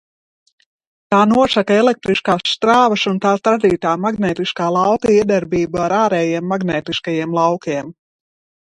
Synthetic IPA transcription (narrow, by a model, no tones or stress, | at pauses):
t̪aːnuɔʃakaelˠek̚t̪ɾiʃkaːssːt̪ɾaːvɐsunt̪aːst̪ɾad̪iːt̪aːmaɡnɛːt̪iʃkaːlˠawt̪aiɛd̪ɛɾbiːbuaɾaːɾɛːjeɛmːaɡnɛːt̪iʃkajeɛmlˠawkiɛm